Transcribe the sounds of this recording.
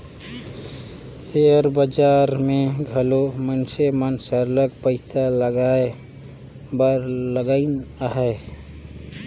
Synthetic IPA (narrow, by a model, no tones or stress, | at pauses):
seəɾbəd͡ʒaɾmẽɡʱəlomənsemənsəɾləɡpəɪsaləɡae | bəɾləɡainɦɛe